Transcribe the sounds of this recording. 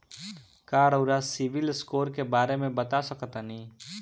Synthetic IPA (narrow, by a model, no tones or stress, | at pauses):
kaːɾəʊɾasɪʋɪlɪskoːɾkebaːɾemẽbɐt̪asɐkt̪anĩː